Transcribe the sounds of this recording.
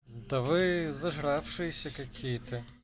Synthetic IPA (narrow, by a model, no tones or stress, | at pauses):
d̪ɐʋɪzɐʒɾɑwʃɪjsʲɐkɐkʲʰijt̪ɪ